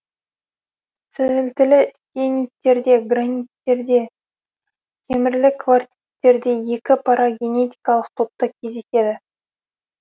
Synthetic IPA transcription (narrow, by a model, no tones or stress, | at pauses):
sɪzɪlt̪ɪlɪst̪ʲenʲijt̪ːe̞ɾd̪e̞ɡranʲijt̪ːe̞ɾd̪e̞ | k̪ʲʰe̞mɪɾlɪkʰvart̪ʲit̪ːe̞ɾd̪e̞je̞kʲɪpʰaɾʔaɡʲe̞ne̞t̪ʲi̥jkɑlˠəq̚t̪ʰot̪t̪ːɑkʲʰe̞zd̪e̞se̞d̪ɪ